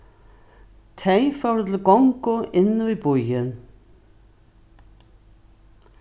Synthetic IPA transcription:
t̪ʰejfawɾʏt̪ʰɪlkɔŋkʊʔɪnːʊvibujɪn

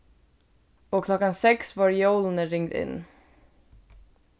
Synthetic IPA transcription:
oːkʰlɔkansɛksʋɑːɾjoːlnəɾɪŋd̪ɪ̰nː

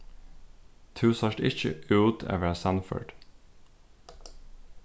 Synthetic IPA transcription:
t̪ʰʉːsɑʃʈɪ̰çə̰ʔʉːt̪ʰḛːʋəsɑnfø̰ːɖ̥

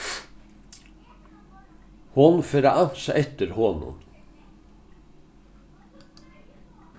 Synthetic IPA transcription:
hʊnfeːɾaʔɑnsʔɛt̪əɾhɔnʊ̰n

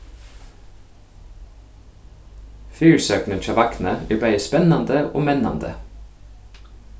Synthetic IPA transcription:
fyːɹsøːknənt̪ʰɑːʋɑkn̩əeːbœʏəspɛnɑnd̪əʔo̰ːmɛnɑ̰nd̪ə̰

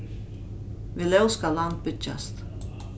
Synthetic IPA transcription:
vilɛwskalant̪̚bʏt͡ʃa̰st̪

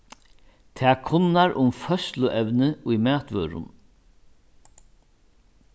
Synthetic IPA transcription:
t̪ʰɛːkʰʊnːaɾʔʊmfœslʊʔɛwnəʊjmæːt̪ʋœːɾʊ̰n

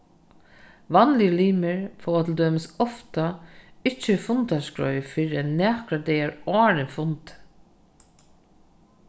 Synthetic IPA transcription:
ʋanlɪliːmɪɹfoːwat̪ʰɪld̪øːmɪsɔft̪aɪt͡ʃːəfʊnt̪askɹœ̰ʏfɪɹɪanæːkɾad̪ɛjaɹɔːɾɪnfʊnt̪

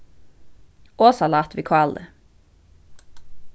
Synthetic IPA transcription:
oːsɑlɑːt̪ʋikʰɔɑld̪ə̰

